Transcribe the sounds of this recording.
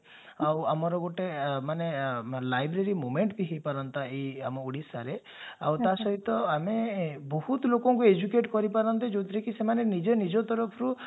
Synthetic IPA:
awamɔɾɔɡoʈemanelajbɾeɾimomeɳʈb̪iɦejpaɾɔnt̪aiamɔuɽisaɾe | a̰wt̪asɔɦit̪ɔamebɔɦut̪lokɔŋkued͡ʒukeʈkɔɾipaɾɔnt̪ed͡ʒod̪ʰiɾekisemanenid͡ʒenid͡ʒɔt̪ɔɾɔpʰɔɾu

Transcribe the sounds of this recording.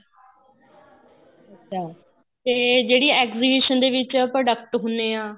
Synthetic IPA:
ətːʃʰaː | t̪eːd͡ʒeːɽiːɛːkziːbiːʃənd̪eːʋɪt͡ʃpɾoːɖək̚ʈɦʊneːãː

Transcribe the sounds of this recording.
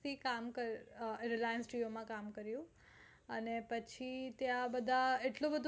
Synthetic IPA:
t̪ʰikamkəɾɾɪlajənsʈiomãkamkəɾjũ | ənepət͡ʃʰit̪jãbəd̪ʱaeʈlõbəd̪ʱ

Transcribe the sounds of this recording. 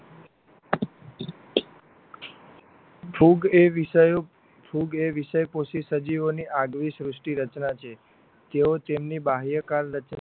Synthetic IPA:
pʰuɡeʋəjo | pʰuɡeʋiʃəjposisəd͡ʒiʋoniʔaɡʋisɾʊsʈiɾət͡ʃnat͡ʃʰe | t̪eot̪emnibaɦjəkaɾɾət͡ʃ

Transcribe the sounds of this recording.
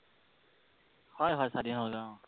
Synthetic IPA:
hɔjɦɔjsadinɦɔlɡa

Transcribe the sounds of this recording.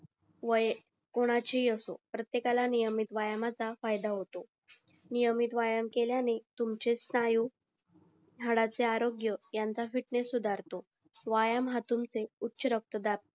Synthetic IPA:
ʋəj | koɽ̃at͡ɕijəsopɾət̪jekalanijəmit̪ʋajamat͡safajd̪aɦot̪o | nijəmit̪ʋajamkeljanet̪umt͡ɕesnajuː | jʱaɽat͡seaɾoɡjəjant͡safiʈnesud̪ʱaɾt̪o | ʋajamɦat̪umt͡seutːɕəɾək̚t̪əd̪ap

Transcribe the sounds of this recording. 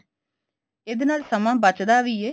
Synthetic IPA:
ed̪eːnaːlsəmãːbət͡ʃd̪aːʋiːeː

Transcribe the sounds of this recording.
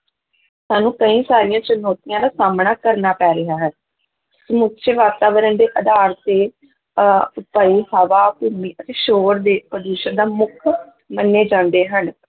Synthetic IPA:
saːnũːkəĩːsaːɾijãːt͡ʃənoːt̪ijãːd̪aːsaːmɳaːkəɾnaːpɛːɾɪaːɦɛn | səmʊt̪ːʃeʋaːt̪aːʋəɾənd̪eːʔəd̪aːɾt̪eː | ʊpaːiːhəʋaːkuːmiːʔət̪eːʃoːɾd̪eːpəd̪uːʃəɾd̪aːmʊkʰ | mənːeːd͡ʒãːnd̪eːɦən

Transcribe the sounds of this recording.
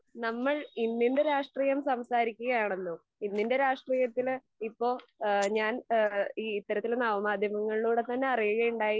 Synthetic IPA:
nɐmːɐɭinːinde̞ɾaːʂʈriːjɐmsɐmsaːɾikʲːuɣɐjaːɳenːu | inːinde̞ɾaːʂʈriːjɐt̪ːil | ipːo̞ːɲaːniːt̪ːɐɾɐt̪ːilnɐʋɐmaːd̪ʱjɐmɐŋːɐɭiɭuːɽe̞t̪ɐnːe̞ɐrijuɣɐuɳɖaːji

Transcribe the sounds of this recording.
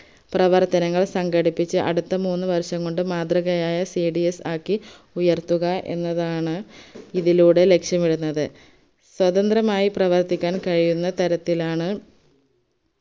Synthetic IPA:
prɐʋɐrt̪ɐnɐŋːɐɭsɐŋɡɐɽipːit͡ɕːɨʔɐ̰ɽut̪ːɐmuːnːɨʋɐrʂɐŋko̞ɳɖɨmaːd̪rɐɣɐjaːjɐsiɖiesaːkːi | ujɐrt̪uɣɐʔe̞̰nːɐðaːɳɨiðiluːɽe̞le̞kʂjɐmiɽunːɐðɨ | swɐðɐnd̪rɐmaːjiprɐʋɐrt̪ikʲːaːnkɐɻijunːɐt̪ɐɾɐt̪ːilaːɳɨ

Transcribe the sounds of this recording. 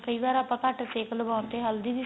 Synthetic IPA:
kəiːbaːɾaːpãːkəʈseːkləbaːʊnt̪eːɦəld̪iːbiː

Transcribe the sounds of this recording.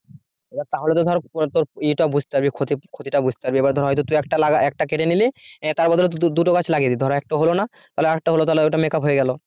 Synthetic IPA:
ebaɾt̪aɦolet̪od̪ʱɔɾɔpt̪oɾiʈabud͡ʑʱt̪epaɾbikʰot̪ikʰot̪iʈabud͡ʑʱt̪e̥paɾbiebaɾd̪ʱɔɾɦɔjt̪ot̪uɛkʈalaɡaʔɛk̚ʈakeʈenilit̪aɾbɔd̪ʱɔlet̪̬ud̪uʈokat͡ɕʰlaɡed̪id̪ʱɔɾaɛk̚ʈaɦolona | t̪aɦoleak̚ʈaolot̪aɦleɛwʈamekapɦoeɡɛlo

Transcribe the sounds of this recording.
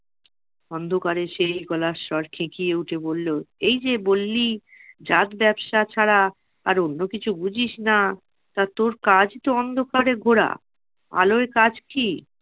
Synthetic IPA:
ɔnd̪ʱokaɾeʃejɡɔlaʃɔɾkʰẽkijeuʈʰebolːoejd͡ʑebolːi | d͡ʑat̪bɛbʃat͡ɕʰaɽa | aɾonːokit͡ɕʰubud͡ʑʱiʃna | t̪at̪oɾkad͡ʑt̪oɔnd̪ʱokaɾeɡʱoɽa̰ | a̰loekad͡ʑki

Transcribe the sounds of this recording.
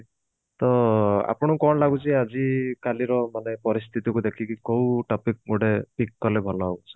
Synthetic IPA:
t̪ɔa̰pɔɽ̃ɔkɔnlaɡut͡ʃʰiad͡ʒikaliɾɔmanepɔɾist̪ʰit̪ikud̪ekʰikikowʈɔpik̚moɽepikːalebʱɔlɔɦoɡusʰɔ̥

